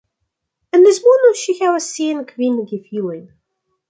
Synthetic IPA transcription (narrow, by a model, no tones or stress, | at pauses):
æmːəzmunʊɾʃiçaɾæsːinəkvinːɡifjiwim